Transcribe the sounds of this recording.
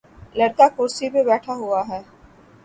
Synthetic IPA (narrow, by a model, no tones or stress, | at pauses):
lɐɾkakʊːɾsibebɛːʈʰaɦuaɦɛː